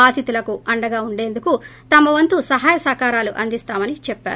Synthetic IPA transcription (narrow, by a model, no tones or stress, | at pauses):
aːd̪ʱit̪ulɐkuʔɐɳɖɐɡaːuɳɖe̞ːnd̪ukut̪ɐmɐʋɐnt̪usɐɦaːjɐsaːkaːɾaːluʔɐnd̪ist̪aːmɐnit͡ʃɛpːa̰ːɾ